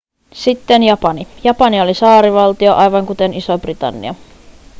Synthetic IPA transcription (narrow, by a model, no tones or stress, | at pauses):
sit̪ːenjɑpɑnijɑpɑnio̞lisɑːɾiʋɑlt̪io̞ʔɑjʋɑŋkut̪e̞nisobrit̪ɑ̰nːḭɑ